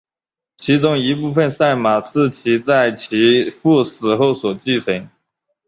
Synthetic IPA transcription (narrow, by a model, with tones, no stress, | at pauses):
t͡ɕʰi˧˥t͡sʊ˥ŋi˧˥pu˥˧fə˥˧nsa˥˩ɪma˨˩ʂɹ̩˥˩t͡ɕʰi˧˥t͡sa˥˩ɪt͡ɕʰi˧˥fu˥˩sɹ̩˨˩xo˥˩ʊswɔ˨˩t͡ɕi˥˩t͡sʰə˧˥ŋ